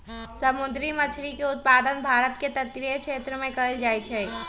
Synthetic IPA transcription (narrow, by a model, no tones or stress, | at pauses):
sɐmʊd̪ɾimɐt͡ʃʰɾikeʊt̪̚paːd̪ənbʱaːɾət̪ket̪ɐt̪ɾikʃeːt̪ɾəmẽkɐld͡ʒaːit͡ʃʰeː